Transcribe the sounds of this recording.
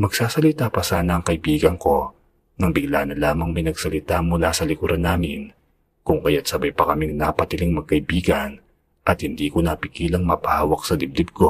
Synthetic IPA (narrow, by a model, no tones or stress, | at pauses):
mɐɡ̥saːsɐlɪt̪aːpɐsaːnɐːŋkɐɪbiːɡɐŋko̞ | nɐŋbɪɡlaːnɐlaːmɐŋmɪnɐɡsɐlɪt̪amʊlasɐlɪkuɾɐnaːmɪn | kʊŋkɐjat̪̚sɐbɐjpɐkɐmiŋnapɐt̪ɪlɪŋmɐɡ̚kɐʔɪbiːɡɐn | ʔɐt̪̚hɪnd̪iːkonɐpɪkiːlɐŋmɐpɐhaːwɐk̚sɐd̪ɪb̚d̪ɪb̚ko̞